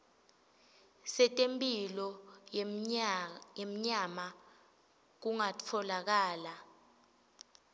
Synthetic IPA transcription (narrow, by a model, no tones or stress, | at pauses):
sɛtʼempʼilɔ | em̩ɲama | k̬uŋat͡fʰɔlak̬aːla